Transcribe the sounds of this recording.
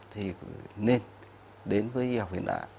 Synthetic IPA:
t̪ʰi˨˩ne˧n | ɗe˨˦nvəː˨˦ji˧ha˨˩k͡p̚hḭ˧˩ənɗa̰ː˧˨

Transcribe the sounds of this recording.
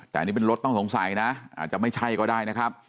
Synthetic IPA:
t̪ɛː˨˩˨ni˦˥pe˧nɾo˦˥t̪ːɔ˥˩ŋso˩˦ŋsa˨˩˦jna˦˥ʔa̰˨˩t̪̚t͡ɕa˨˩ma˥˩jt͡ɕʰa˥˩jkɔː˥˩daː˥˩jna˦˥kʰɾa˦˥p̚

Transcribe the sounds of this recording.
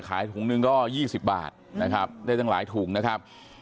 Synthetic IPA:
kʰaː˨˩˦jt̪ʰuː˩˦ŋnɯ˧ŋkɔː˥˩jiː˥˩si˨˩p̚ba̰ː˨˩t̪̚na˦˥kʰa˦˥p̚daː˥˩jt̪a˥˩la̰ː˩˦jt̪ʰuː˩˦ŋna˦˥kʰa˦˥p̚

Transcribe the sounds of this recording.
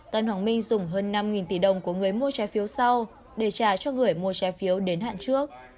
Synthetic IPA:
t̪aː˧˩jnhwaː˧˩ŋmï˧ŋ̟zʊ˨˩ŋ͡mɦəː˧nːa˧mŋi˨˩nt̪i˧˩ɗə˨˩wŋ͡mku˧˩əŋɨ˨˩əjmu˧ət͡ɕaː˨˦jfi˨˦əwsa˧w | ɗe˧˩t͡ɕaː˧˩t͡ɕɔ˧ŋɨ˨˩əjmu˧ət͡ɕaː˨˦jfi˨˦əwɗe˨˦nɦa̰ː˧˨nt͡ɕɨ˦˥ək̚

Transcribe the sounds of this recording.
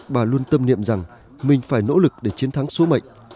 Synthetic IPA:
ɓaː˨˩lu˧ənt̪ə˧mnḭ˧˨əmza˨˩ŋ | mï˨˩ŋ̟faː˧˩jno̰˧˥lɨ˨˩k̚ɗe˧˩t͡ɕi˨˦ənt̪ʰa˨˦ŋso˨˦mə̰˧˨jŋ̟

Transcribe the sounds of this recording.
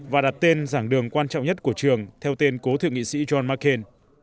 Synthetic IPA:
vaː˨˩ɗa˨˩t̚t̪e˧nzaː˧˩ŋɗɨ˨˩əŋkwaː˧nt͡ɕɔ̰˧˨wŋ͡mɲə˦˥t̚ku˧˩ət͡ɕɨ˨˩əŋt̪ʰɛ˧wt̪e˧nko˨˦t̪ʰɨ̰˧˨əŋḭ˧˨sḭ˧˥zɔ˧nmaː˦˥ke˧n

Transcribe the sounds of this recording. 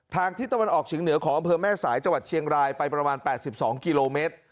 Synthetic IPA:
t̪ʰaː˧ŋt̪ʰiː˥˩t̪a˧wa˧nʔɔː˨˩k̚t͡ɕʰiː˩˦ŋnɯ˩˦ɐkʰɔː˩˦ŋʔmpʰɤː˧mɛː˥˩saː˩˦jt͡ɕa˧ŋwa˨˩t̪̚t͡ɕʰi˧əŋɾaː˧jpa˧jpɾa˧maː˧npɛː˨˩t̪̚si˨˩p̚sɔː˩˦ŋki˧loː˧meː˦˥t̪̚

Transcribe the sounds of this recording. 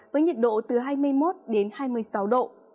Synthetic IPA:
vəː˨˦jɲi˨˩t̚ɗo̰˧˨t̪ɨ˨˩ɦaː˧jmɨ˧əjmo˦˥t̚ɗe˨˦nhaː˧jmɨ˧əjsa˨˦wɗo̰˧˨

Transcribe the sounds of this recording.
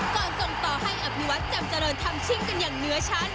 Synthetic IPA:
kɔː˧nso˨˩ŋt̪ɔː˨˩ha˥˩jʔa˨˩p̚nu˧wa˦˥t̪̚t͡ɕa˧mt͡ɕa˧ɾɤː˧nt̪ʰa˧mt͡ɕʰi˧˥˩ŋka˧njaː˨˩ŋnɯ˨˦˥ɐt͡ɕʰa˦˥n

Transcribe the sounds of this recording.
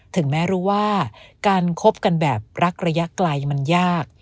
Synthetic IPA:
t̪ʰɯ˩˦ŋmɛː˦˥ɾuː˦˥waː˥˩kaː˧nkʰo˦˥p̚ka˧nbɛː˨˩p̚ɾa˦˥k̚ɾa˧ja˦˥klaː˧jma˧njaː˥˩k̚

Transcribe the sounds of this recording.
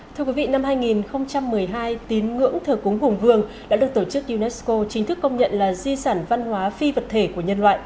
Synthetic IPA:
t̪ʰɨ˧əkwi˨˦vḭ˧˨na˧mhaː˧jŋi˨˩nxə˧wŋ͡mt͡ɕa˧mːɨ˨˩əjɦaː˧jt̪i˨˦nŋɨ̰˧˥əŋt̪ʰəː˨˩kʊ˨˦ŋ͡mɦʊ˨˩ŋ͡mvɨ˧əŋɗa̰ː˥ɗɨ˨˩ək̚t̪o˧˩t͡ɕɨ˦˥k̚ɗi˧nɛ˦˥sko˧t͡ɕï˨˦ŋ̟t̪ʰɨ˦˥kːə˧wŋ͡mɲə̰˧˨nlaː˨˩zi˧saː˧˩nva˧nhwaː˨˦fi˧və˨˩t̚t̪ʰe˧˩ku˧˩əɲə˧nlwa̰ː˧˨jʔ

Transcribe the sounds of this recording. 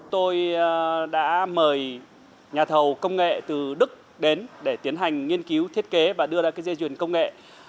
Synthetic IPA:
t̪o˧jɗa̰ː˧˥məː˨˩j | ɲaː˨˩t̪ʰə˨˩wkə˧wŋ͡mŋḛ˧˨t̪ɨ˨˩ɗɨ˦˥k̚ | ɗe˨˦nɗe˧˩t̪i˨˦ənɦa˨˩jŋ̟ŋi˧ənki˨˦wt̪ʰi˦˥ət̚ke˨˦vaː˨˩ɗɨ˧əzaː˧kaː˨˦jze˧t͡ɕwḭ˧˨˩ənkə˧wŋ͡mŋḛ˧˨

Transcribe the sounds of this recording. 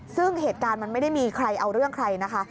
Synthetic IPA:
sɯ˥˩ŋɦeː˨˩t̪̚kaː˧nma˧nma˥˩jda˥˩jmiː˧kʰɾa˧jʔa˧wɾɯ˥˩əŋkʰɾa˧jna˦˥kʰa˦˥

